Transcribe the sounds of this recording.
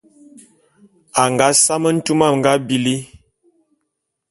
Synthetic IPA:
a˨ŋɡa˨˦sa˦mə˦n̩˦tu˦ma˦˨mŋ̩˨ɡa˦bi˨li˦

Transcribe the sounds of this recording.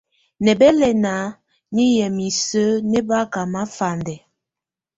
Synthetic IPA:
nɛ˨bɛ˦lɛ˦˨na˨˦ | ɲi˦jɛ˨mi˨sə˦nɛ˦ba˦ka˨ma˦fa˨ndɛ˨

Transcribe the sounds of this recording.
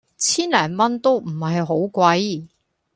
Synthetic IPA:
t͡sʰiː˥nlɛː˨˩nmɐ˥nt̪o˥wm̩˨˩hɐ˨jɦo˨˥wkʷɐ˨˥j

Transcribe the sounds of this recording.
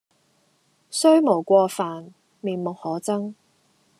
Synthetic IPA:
sɵ˥ɥmo˨˩wkʷɔː˧faː˨n | miː˨nmʊ˨k̚hɔː˨˥t͡sɐ˥ŋ

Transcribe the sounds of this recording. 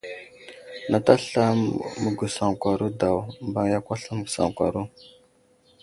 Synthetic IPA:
na˨ta˦ɬa˦mə˦ɡu˨sa˨ŋkʷa˨ɾu˦da˨wmba˦ŋja˦kʷa˦ɬa˦mə˦ɡu˨sa̰˨ŋkʷa̰˨ɾu˦

